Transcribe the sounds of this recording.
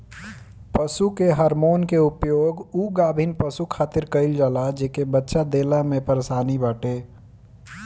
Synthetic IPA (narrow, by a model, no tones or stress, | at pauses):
pəsukeɦəɾmoːnkeupjoːɡuɡaːbʱinpəsukʰaːt̪ɪɾkəɪld͡ʒalad͡ʒeːkebətːʃad̪eːlamẽpəɾesaːnibaːʈe